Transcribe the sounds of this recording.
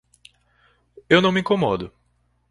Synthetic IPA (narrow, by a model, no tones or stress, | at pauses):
ewnɐ̃w̃miĩŋkomɔd̪ʊ